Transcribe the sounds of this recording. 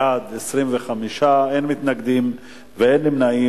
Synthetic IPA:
ad̪esʁimveχamiʃaenmit̪naɡd̪im | veenlimnai

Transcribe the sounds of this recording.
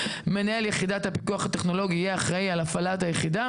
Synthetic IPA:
me̞nae̞ljeχid̪at̪hapi̥kuaχhat̪eχno̞lo̞ɡijeaχʁaialafalat̪hajeχid̪a

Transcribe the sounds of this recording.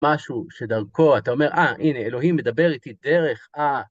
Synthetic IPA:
aʃuʃe̞d̪aʁko̞at̪ao̞me̞ʁʔaʔine̞ːlo̞ɦimːe̞d̪abe̞ʁit̪id̪e̞ʁe̞χa

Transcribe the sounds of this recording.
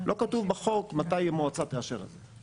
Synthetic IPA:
lʔo̞katuvbaχo̞kmat̪ajemoat͡sat̪eaʃeʁḛze

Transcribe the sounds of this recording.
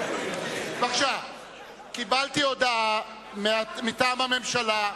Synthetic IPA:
veaχʃav | kibaltiodaa | meamitaːmhame̞mʃala

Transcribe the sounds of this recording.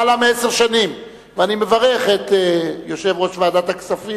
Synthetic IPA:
alamieseʁʃanim | veanimevaʁe̞χet̪ejo̞ʃe̞vʁo̞ʃvaːd̪at̪aksafi

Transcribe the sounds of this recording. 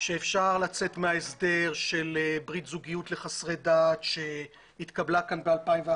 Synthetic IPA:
ʃeːfʃaʁlat͡se̞t̪meaesde̞ʁʃe̞lebʁit̪zuɡijutle̞χasʁe̞datʃe | it̪kablakanbealpajmvea

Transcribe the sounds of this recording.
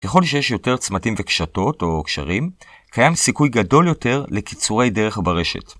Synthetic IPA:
keχo̞lʃejeʃjo̞te̞ʁt͡smatimvekʃato̞to̞kʃa̰ʁim | kajamsikujɡado̞ljo̞te̞ʁle̞ki̥t͡suʁe̞jde̞ʁe̞χabaʁe̞ʃḛt

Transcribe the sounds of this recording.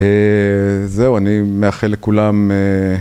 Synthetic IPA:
e | zeuanimeaχelːekulame

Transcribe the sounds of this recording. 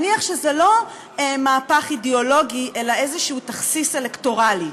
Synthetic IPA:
niaχʃezelo̞ | emaːpaχideolo̞ɡiʔe̞lae̞zeʃuutaχsise̞lekto̞ʁali

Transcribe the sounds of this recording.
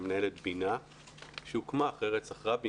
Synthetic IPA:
mnaelet̪bina | ʃeukmaːχeʁett͡saχʁabi

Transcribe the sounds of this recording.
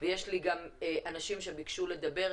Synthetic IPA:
vejeʃliɡameʔanaʃimʃebikʃule̞d̪abe̞ʁ

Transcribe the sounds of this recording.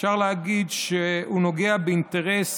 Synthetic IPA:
ʃaʁleaɡidʃehunoɡe̞abeinteʁes

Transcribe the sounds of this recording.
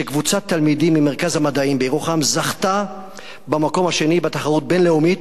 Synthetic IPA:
ʃekvut͡sat̪ːalmidimimeʁkazhamad̪aimbejʁoχamzaχt̪a | bamako̞mhaʃe̞nibat̪aχaʁut̪̚be̞nle̞umit̪

